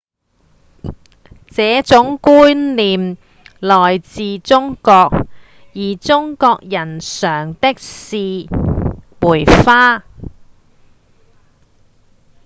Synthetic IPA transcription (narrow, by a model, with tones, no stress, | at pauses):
t͡sɛː˨˥t͡sʊ˨˥ŋkuː˥nliː˨m | lɔː˨˩jt͡siː˨˧t͡sʊ˥ŋkɔː˧k̚ | jiː˨˩t͡sʊ˥ŋkɔː˧k̚jɐ˨˩nsœː˨˩ŋt̪ɪ˥k̚siː˧ | muː˨˩jfaː˥